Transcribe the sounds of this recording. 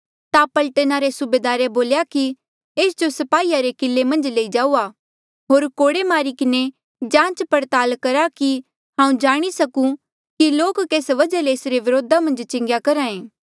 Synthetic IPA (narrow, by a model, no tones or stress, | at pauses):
t̪apɐlʈənaɾesʊbeːd̪aːɾeboːljaki | eːsd͡ʒosɐpaːiːaɾekɪlːemɐ̃nd͡ʒleːid͡ʒaːua | ɦoːɾkoːɽemaːɾikɪne | d͡ʒãːt͡ʃpɐɾt̪aːlkɐɾaki | ɦãːũd͡ʒaːɽ̃isɐkũ | kiloːkkeːsʋɐd͡ʒaleːsɾeʋɪɾoːd̪ʱamɐ̃nd͡ʒt͡ʃɪ̃ŋɡjakɐɾaːẽː